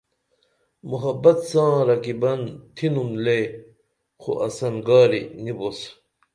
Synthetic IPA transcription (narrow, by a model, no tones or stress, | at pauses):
muɦɐbɐt̪sãːɾɐkibɐnt̪ʰinumle | xo̰ʔɐsɐnɡaːɾinibos